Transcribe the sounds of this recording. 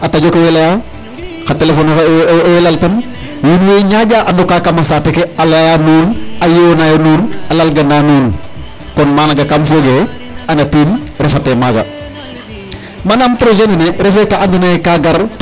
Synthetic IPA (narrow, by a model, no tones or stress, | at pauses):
ataɟokowelaja | xatelefoːnelaltɐn | wunweɲaɟaːʔandokakamasatekealajanuːnajewonajonuːnalalɡɐndanuːn | kɔnmanaɡakamfoɡe | anatiːnɾefatemaɡa̰ | manampɾoʒenineɾefekaandunakaɡaɾ